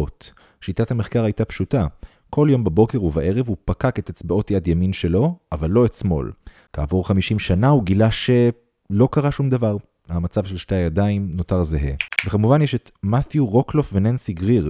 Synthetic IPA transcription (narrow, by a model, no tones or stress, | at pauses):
ot | ʃitathameχkaʁajtapʃuta | kʰo̞ljo̞mbabo̞keʁuvaʔe̞ʁevupakake̞tet͡sbao̞tjad̪jaminʃe̞lo̞avalːo̞etsmo̞̰l | kaːvoʁχamiʃimʃanauɡilaʃe̞ | lo̞kaʁaʃumd̪avaʁ | hamat͡savʃelʃteajadaimno̞taʁzeɦe̞̰vekamuvanjeʃet̪maθjuʁo̞klo̞fvenensiɡʁiʁ